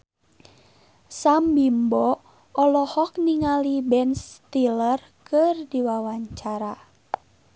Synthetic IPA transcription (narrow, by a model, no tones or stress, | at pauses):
sambimbɔ | ɔlɔhɔk̚niŋalibɛnst̪ilər | kɨrdiwawaɲt͡ʃaɾa